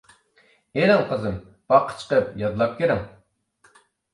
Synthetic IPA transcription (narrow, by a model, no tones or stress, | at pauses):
eɾɪŋqʰəzɨm | b̥ɑqʰːə̥t͡ʃʰə̥qəp̚jɑd̪lˠɑp̚kʲeɾɪŋ